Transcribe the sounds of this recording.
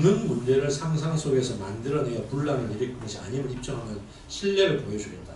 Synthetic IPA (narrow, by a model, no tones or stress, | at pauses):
nɯnmund͡ʑe̞ɾɯɭsʰaŋsʰaŋsʰoɡe̞sʰʌmandɯɾʌnejʌpuɭːanɯniɾik͈ɯŋɡʌɕʰia̰ɲimɯɭip̚t͡ɕ͈ʌŋɦamjʌn | ɕʰiɭːe̞ɾɯɭpojʌd͡ʑuɾet̚t͈a